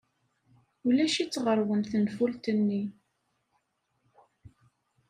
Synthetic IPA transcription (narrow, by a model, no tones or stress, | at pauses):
ulæʃit͡sːʁəɾˤwənθənfult̪ənːi